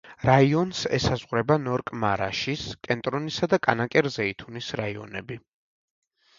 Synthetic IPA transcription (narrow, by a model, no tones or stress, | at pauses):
ɾaiɔnsɛ̰sazʁɾɛbanɔɾkʼmaɾa̰ʃiskʼɛnt̪ʼɾɔnisad̪akʼanakʼɛɾzɛit̪ʰunisɾaiɔ̰nɛbi